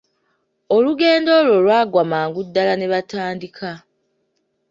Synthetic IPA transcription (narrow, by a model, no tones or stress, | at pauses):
o̞luɡe̞ːndo̞ːlo̞lwaːɡwamaːŋɡudːalane̞βataːndikʰa